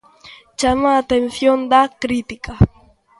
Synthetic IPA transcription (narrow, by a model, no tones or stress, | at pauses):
t͡ʃamaːt̪enθjond̪akɾit̪ɪka